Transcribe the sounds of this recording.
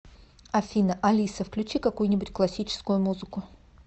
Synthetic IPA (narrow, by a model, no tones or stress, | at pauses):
ɐfʲinəʔɐlʲisəfklʲʉt͡ɕikɐkujʊnʲɪbʊtʲklˠɐsʲit͡ɕɪ̥skʊjʊmuzɨkʊ